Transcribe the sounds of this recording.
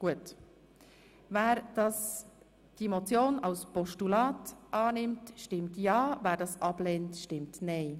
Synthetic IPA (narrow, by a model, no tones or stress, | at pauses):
ɡ̥uət | væːɾd̥ɑs | d̥iemot͡sjoːnaʊspɔʃtulɑːtʔɑːnɪmtʃtɪmtjɑːvæːɾdɑsʔɑbleːntʃtɪmtnɛɪ